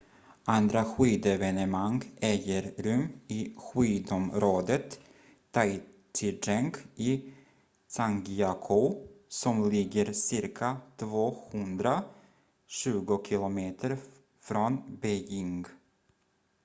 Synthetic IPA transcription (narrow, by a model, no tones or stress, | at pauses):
ʔand̪ɾaɧiːd̪ɛvɛnəmaŋɡɛjəɾɾɵmɪɧyːd̪ɔmɾoːd̪ət̪ʰː | aj | t̪ʰɪɖɛŋkɪː | saŋɡiakʰʊsɔmlɪɡːəɾsɪɾkʰat̪ʰvoːhɵnd̪ɾa | ɕʉ̟ːɡʊkʰɪlʊmeːt̪ʰəɾ | fɾɔnbɛjɪŋɡ